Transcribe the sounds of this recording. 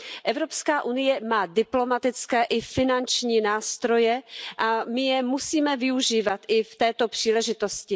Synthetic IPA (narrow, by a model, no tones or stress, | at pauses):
ʔɛvɾo̞pskaːʔunɪjɛmaːdɪplo̞mat̪ɪt͡skɛːʔɪfɪnant͡ʃɲiːnaːst̪ɾo̞jɛʔamɪjɛmusiːmɛvɪuʒiːvat̪ʔɪft̪ɛːt̪o̞pr̥iːlɛʒɪt̪o̞scɪ